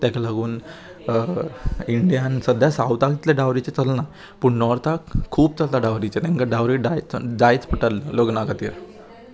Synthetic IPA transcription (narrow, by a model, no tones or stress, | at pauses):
t̪jakalaɡuːn | iɳɖijansəd̪jasawt̪aɡit̪leɖawɾit͡set͡səlna | pəɳnɔɾt̪ʰakʰuːb̚t͡səlt̪aɖawɾit͡set̪ɛ̃ŋkaɖawɾiɖajt͡sɖajt͡spəʈəlːoɡnakat̪iːɾ